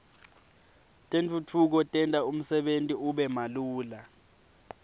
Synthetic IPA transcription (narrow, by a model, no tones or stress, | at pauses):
tʼent͡fʼʰutʰuk̬ɔtʼɛntʼaum̩sɛɓentʼiuɓɛmaluːla